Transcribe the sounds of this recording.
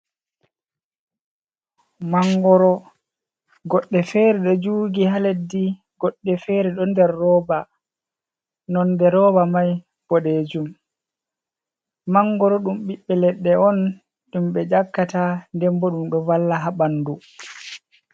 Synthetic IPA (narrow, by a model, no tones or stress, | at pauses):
maŋɡɔɾɔ | ɡɔɗːɛfeɾɛɗɔd͡ʒuːɡiɦaledːi | ɡɔɗːɛfeɾɛɗɔndɛɾːɔːba | nɔndɛɾɔbamaj | b̥ɔɗed͡ʒum | maŋɡɔɾɔɗumɓiɓːɛlɛɗːɛɔn | ɗumɓɛd͡ʒakːatandɛmbɔɗumɗɔvalːaɦaɓandu